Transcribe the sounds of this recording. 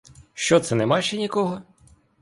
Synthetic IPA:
ʃt͡ʃɔt̪sɛnɛmɑʃt͡ʃɛnʲikɔɦɔ

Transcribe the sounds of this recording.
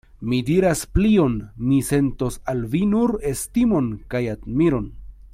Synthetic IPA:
midiɾasplio̞nmise̞nto̞salvinuɾestimo̞nkajadmiɾo̞n

